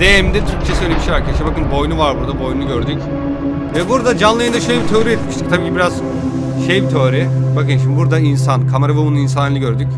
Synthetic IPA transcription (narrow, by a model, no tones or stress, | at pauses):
d̪̥emd̪ɛt̪ʰyɾc̚t͡ʃʰɛsølʲeɛbiʃejaɾkʰeʃibakɯnbo̞jnuvaɾbuɾd̪abo̞jnunuɟøɾd̪yc | vɛbuɾd̪ad͡ʒanlˠajɯnd̪aʃøjlʲɛbit̪ʰøɾiɛt̪miʃt̪ic̚t̪ʰabiːcʰibiɾaz | ʃejbit̪ʰøːɾɛbakɯnʃimibuɾd̪ains̬ankʰamaɾavɛbunuins̬anlʲˠɯɟøɾd̪ycʲ